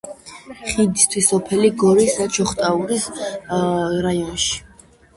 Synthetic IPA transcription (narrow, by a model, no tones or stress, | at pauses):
χid̪ist̪ʰwisɔpʰɛliɡɔɾisd̪at͡ʃʰɔχt̪ʼaulis | ɾajɔnʃi̥